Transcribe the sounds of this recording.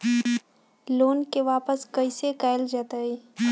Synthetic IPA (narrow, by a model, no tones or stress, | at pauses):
loːnkeʋaːpəskɐisekaːɪld͡ʒaːt̪aɦeː